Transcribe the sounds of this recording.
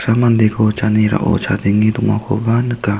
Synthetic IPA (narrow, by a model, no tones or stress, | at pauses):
samand̪ekʰot͡ʃaniɾa̰ʔo̰t͡ʃʰad̪iŋit̪uŋa̰kʰo̰banəka